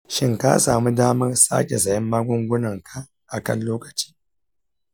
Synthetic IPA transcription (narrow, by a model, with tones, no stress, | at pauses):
ʃɪ˦ŋka̰˦saː˨mu˦daː˦mɐ˦rsa̰˦kʲe˨zɐ˨jɛ˦mːaː˦ɡʷʊ˦ŋɡʷʊ˦nɐ˨ŋkʰa˨ | ʔa˨kɐ̰˦nloː˦kɐ̥˨t͡ʃi̥ː˦